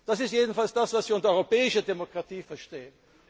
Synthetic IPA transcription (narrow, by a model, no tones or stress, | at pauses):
d̥asɪstjeːdn̩falsd̥asvasv̥iʊntdɐɔʏʁopɛːɪʃədemokʁ̥atiːfɛɐʃteːən